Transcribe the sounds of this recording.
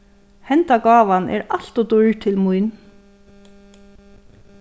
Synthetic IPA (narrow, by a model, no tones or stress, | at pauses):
hɛnt̪aɡɑːʋanʔɛ̰ɾaɬt̪ɔd̪ʊɹt̪ʰɪlmujn